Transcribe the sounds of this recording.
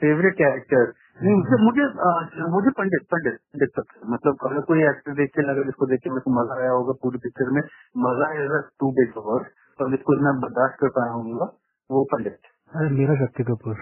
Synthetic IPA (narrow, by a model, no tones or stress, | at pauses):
feːʋɾɪʈkɛːɾɪk̚ʈəɾ | nɐɦĩmʊd͡ʒemʊd͡ʒʱemʊd͡ʒʱepɐ̃ɳɖɪʈ̚pɐ̃ɳɖɪʈ̪̚pɐ̃ɳɖɪk̚sɐk̚t̪ːmɐt̪ləb̚kɐblekoːiɛːkʈəɾd̪eːkʰelɐɡaɪskod̪eːkʰemɛ̃komɐzaːjaɦoːɡapuːɾpɪk̚t͡ʃəɾmẽ | mɐzaɡaʈuːbɪɔʋəɾ | pɐɾɪskoɪt̪nabɐɾd̪aːʃʈ̪̚kɐɾpaːjaɦõːŋɡa | ʋopɐ̃ɳɖɪʈ̪ | ɐmeːɾaʃ̬ɐk̚t̪ikɐpuɾ